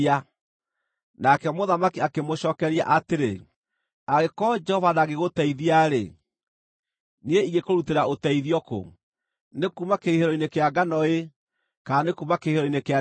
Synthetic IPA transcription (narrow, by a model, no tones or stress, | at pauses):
a | nakɛmoðamakiakemoɕɔːkɛɾia̰ʔateɾe | aɣekɔd͡ʒɛhɔvanaɣeɣotɛiðiaɾḛ | nieiɣekoɾuteɾaotɛiðiɔko̰ | nekuːmakeiheɾɔinekeaɡanɔe | kaːnekuːmakeiheɾɔinekea